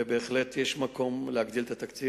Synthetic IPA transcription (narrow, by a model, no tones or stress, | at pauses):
ebe̞ːχlet̪jeʃmako̞mlehaɡd̪ilet̪at̪akt͡si